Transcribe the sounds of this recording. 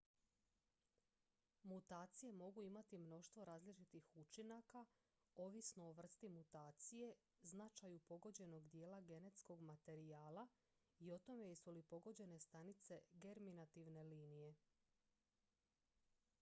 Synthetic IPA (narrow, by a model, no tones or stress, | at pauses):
mut̪aːt̪sije̞mo̞ɡuimat̪imno̞ʃt̪ʋo̞ɾaːzlit͡ʃit̪ixut͡ʃinaka | o̞ʋisnooʋr̩st̪imut̪aːt̪sije̞ | znat͡ʃajupo̞ɡo̞d͡ʑe̞no̞ɡd̪je̞ːlaɡe̞ne̞t̪sko̞ɡmat̪e̞ɾiaːla | io̞t̪o̞me̞jsulipo̞ɡo̞d͡ʑe̞ne̞st̪anit̪se̞ɡe̞ɾminat̪iʋne̞liːnije̞